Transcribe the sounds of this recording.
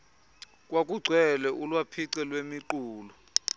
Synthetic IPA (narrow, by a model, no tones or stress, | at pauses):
k̬ʼwak̬ʼuɡ͡ǀʱwɛlɛʔulwapʰiǀɛlwemiǃuːlɔ